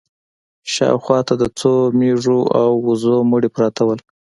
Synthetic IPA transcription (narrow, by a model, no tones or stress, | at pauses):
ʃɑ̰wxwɑt̪ad̪ət͡someʐoʔawuzomuɽepɾɑt̪awəl